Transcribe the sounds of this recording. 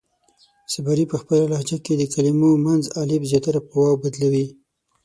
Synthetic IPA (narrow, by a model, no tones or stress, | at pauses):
sabaɾipəxpəlalahd͡ʒaked̪əkalimomanzalebzjɑt̪aɾapʊwɑwbad̪lawi